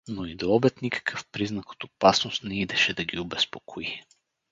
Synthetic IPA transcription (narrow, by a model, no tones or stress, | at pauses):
noid̪oɔbɛt̪nikə̥kʰəfpɾiznɐko̥t̪opasnʊst̪nɛid̪ɛʃɛd̪ɐɡʲiʊbɛspokʰoi